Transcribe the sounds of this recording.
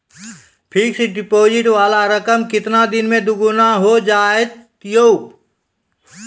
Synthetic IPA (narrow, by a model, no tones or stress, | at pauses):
pʰiːkseɖɪpoːd͡ʒɪʈʋaːlaɾəkəmkɪt̪nad̪ɪnmẽd̪ʊɡunaɦod͡ʒaːet̪ | jou